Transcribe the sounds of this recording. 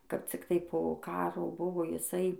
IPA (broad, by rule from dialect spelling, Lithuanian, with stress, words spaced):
kɐp t͡sʲɪkˈtɐɪ poː ˈkɑːroː ˈbʊʋoː jɪˈsɐɪ